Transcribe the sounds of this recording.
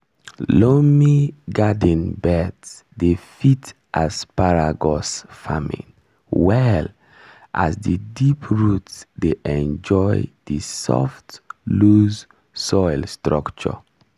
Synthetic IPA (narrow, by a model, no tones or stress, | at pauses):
lomiɡadĩnbɛts | defit | ʔaspaɹaɡɔsfamḭ̃n | wɛl | ʔa̰sdidipʰɹutsdeʔɛ̃nd͡ʒɔɪdisɔ̰ftluz | sɔɪlstɹakt͡ʃɔ̰